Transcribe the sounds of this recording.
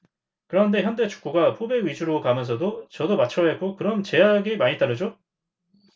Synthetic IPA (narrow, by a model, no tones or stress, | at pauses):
kɯɾʌnnde̞çjʌnde̞t͡ɕu̥k̚k͈oɡapʰobe̞ɥid͡ʑuɾokamjʌnsʰʌdot͡ɕʌdomat͡ɕʰʌjak͈okɯɾʌmt͡ɕe̞aɡemaɲit͈aɾɯd͡ʑo